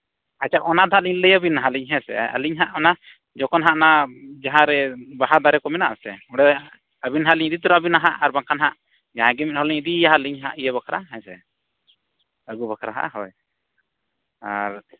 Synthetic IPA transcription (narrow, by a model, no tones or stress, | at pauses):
at͡ʃaʔɔnad̪ʱaʔliɲləjabinaɦãliɲɦɛ̃sɛ̰a̰liɲɦaʔɔna | d͡ʒɔkɔnɦaʔnad͡ʒaɦãɾɛbaɦad̪aɾɛkɔmɛna̰ʔsɛ̰ɔɽɛ | əbinɦaʔliɲid̪it̪uɾabinaɦaʔaɾbaŋkʰanɦaʔ | d͡ʒaɦãɡɛmit̪̚ˀhɔliɲid̪iaɦaliɲɦa̰ʔijɛβakʰɾa̰ɦɛ̃sɛ̰ | əɡubakʰɾaɦa̰ʔɦɔ̰ɛj | a̰ɾ